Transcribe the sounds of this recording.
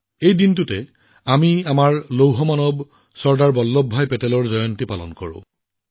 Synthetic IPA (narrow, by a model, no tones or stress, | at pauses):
ejdintʊtɛ | amiamaɹlowɦɔmanɔb | sɔɹdaɹbɔlːɔbʱːajpɛtɛlɔɹzɔjɔntipalɔ̰nkɔɹʊ̰̃